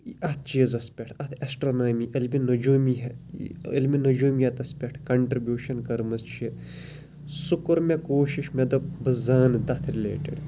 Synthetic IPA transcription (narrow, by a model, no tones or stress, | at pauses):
ʔɐt̪ʰt͡ʃiːzɐspʲeʈʰɐt̪ʰɐsʈɾonaːmiʔɐlminud͡ʒuːmiɦilminud͡ʒuːmjɐt̪ɐspʲeʈʰkɐɳʈɾibjuːʃɐnkɐɾmɨst͡ʃʰi | sukuɾmekoːʃiʃmed̪obɨzaːnd̪ɐt̪ʰɾilḛːʈḭɖ